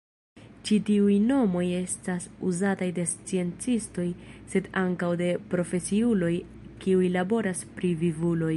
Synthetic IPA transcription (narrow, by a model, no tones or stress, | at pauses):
t͡ʃitiujno̞mo̞je̞stasuzatajde̞st͡sie̞nt͡sisto̞jse̞daŋkawde̞pɾo̞fe̞siulo̞j | kiujlabo̞ɾaspɾivivulo̞j